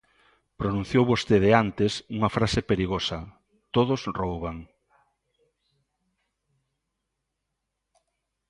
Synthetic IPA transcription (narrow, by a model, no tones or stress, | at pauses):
pɾonũnθjowβost̪eðeant̪ɪsuŋɐfɾasepeɾiɣosɐ | t̪oð̞ʊsrowβaŋ